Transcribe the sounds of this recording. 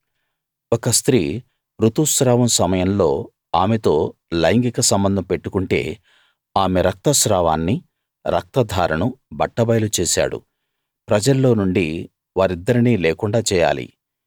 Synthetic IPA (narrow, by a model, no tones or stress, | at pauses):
ɔkɐst̪ɾiː | pɾut̪usɾaːʋɐmsɐmɐjɐmlo̞ː | aːmet̪o̞ː | lɐjŋɡikɐsɐmbɐnd̪ʱɐmpe̞ʈːukuɳʈe̞̰ː | aːme̞ɾɐk̚t̪ɐsɾaːʋaːnːi | ɾʔɐ̰k̚t̪ɐd̪ʱaːɾɐnubɐʈːɐbɐjlut͡ʃeːsa̰ːɽṵ | pɾɐd͡ʒɐlːo̞ːnuɳɖi | ʋaːɾid̪ːɐɾiniːleːkuɳɖaːt͡ʃɛːja̰ːlḭ